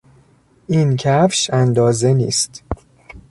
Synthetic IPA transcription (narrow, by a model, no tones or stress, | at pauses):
ʔiːncʰæfʃænd̪ɒːzenḭːst̪